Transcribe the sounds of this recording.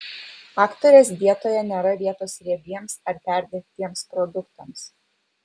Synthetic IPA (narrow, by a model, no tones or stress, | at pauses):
ɑːkt̪oɾʲɛsʋʲiɛt̪oːjɛnʲɛɾɐʋʲiɛt̪oːsɾʲiɛɡʲiɛmsɐɾpʲæˑɾʲd̪ʲek̚t̪ʲiɛmspɾɔd̪ʊkt̪ɐms